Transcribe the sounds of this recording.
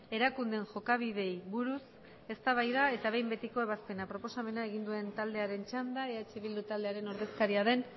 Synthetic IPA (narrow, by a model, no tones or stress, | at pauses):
e̞ɾakund̪e̞nʝo̞kaβ̞iðe̞jβuɾus | e̞st̪aβ̞ajðae̞t̪aβe̞jmbe̞t̪iko̞e̞βaspe̞napɾo̞po̞same̞nae̞ɣind̪ue̞nt̪ald̪e̞aɾe̞nt͡ʃand̪aeat͡ʃe̞βild̪ut̪ald̪e̞aɾe̞no̞ɾðe̞skaɾiaðe̞n